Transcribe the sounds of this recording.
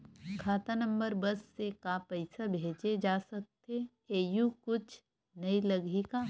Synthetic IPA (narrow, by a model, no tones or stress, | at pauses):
kʰaːt̪anə̃mbəɾbɐsːekapɛɪsabʱeːd͡ʒed͡ʒaːsɐk̚t̪e | eːjukʊt͡ʃʰ | nɐilɐɡʱika